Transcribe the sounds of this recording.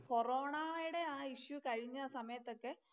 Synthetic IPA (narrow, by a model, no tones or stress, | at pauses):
ko̞roːɳajiɽe̞aːiɕukɐɻiɲːɐsɐmɐjɐt̪ːo̞kːe